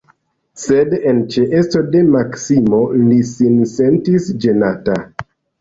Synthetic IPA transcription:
se̞dent͡ʃeʔest͡so̞de̞maksimo̞lisinse̞ntisd͡ʒe̞nata

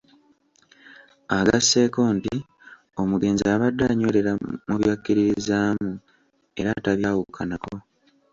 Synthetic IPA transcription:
aɡasːe̞ːko̞ːnti | o̞muɡe̞ːnziaβadːaɲo̞le̞ɾamuβjakːiɾiɾizaːmu | e̞̰ɾataβjawukʰːanako̞

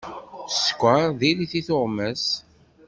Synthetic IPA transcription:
skʷːaðiliθiθʊʁmæs

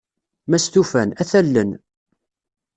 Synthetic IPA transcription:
mæst̪ufænæθælːən

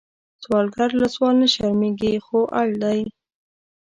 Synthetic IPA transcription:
swɑlɡaɾlaswɑlnəʃaɾmeɡixoʔaɽd̪aj

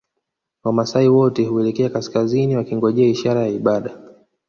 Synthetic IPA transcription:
wamasaiwɔtɛhuɛlɛkɛakaskaziniwakiŋɡɔʄɛaiʃaɾajaiɓaɗa

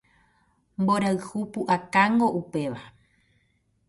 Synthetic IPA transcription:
mboɾaɨhupuʔakaŋɡo̞ʔupe̞ʋa

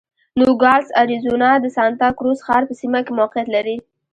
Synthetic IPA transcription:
noɡɑlsaɾizonɑd̪əsɑnt̪ɑkɾosxɑɾpəsimakemʊwaqɪjat̪laɾi

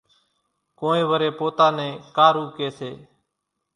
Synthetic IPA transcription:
koːẽːʋəɾeːpoːt̪ãːnẽːkaːɾuːkeːseː

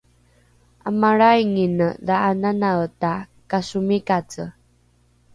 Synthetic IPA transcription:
amaɾajŋinəðaːnanawtakasumikat͡sə

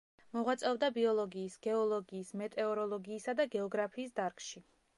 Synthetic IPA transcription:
mɔʁwat̪sʼɛvd̪abiɔlˠɔɡiːsɡ̥ɛɔlˠɔɡiːsmɛt̪ʼɛɔɾɔlˠɔɡiːsad̪aɡɛɔɡɾapʰiːsd̪aɾkʰʼʃi

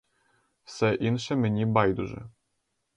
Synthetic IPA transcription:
fsɛʔinʃɛmɘ̆nʲibɑjd̪uʒɛ̰

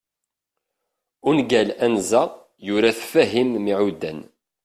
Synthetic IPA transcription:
ʊnɡælænzæ | jʊɾæθfæɦimːiʕud̪ːæ̰n

